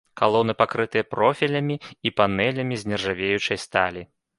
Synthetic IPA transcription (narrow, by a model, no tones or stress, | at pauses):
kalˠɔnɨpakɾɨt̪ɨjɐpɾɔfʲilʲɐmʲiipanɛlʲɐmʲizʲnʲɛrʐavʲejut͡ʂɐjst̪alʲi